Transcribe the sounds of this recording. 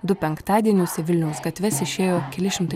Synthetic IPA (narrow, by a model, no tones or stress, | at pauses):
d̪ʊpʲɛŋkt̪ɑːd̪ʲiɛnʲʊːsʲɛʋʲɪlʲnʲɛʊsɡɐt̪ʲʋʲɛsɪʃʲeːjoːkʲɛlʲɪʃʲɪmt̪ɐ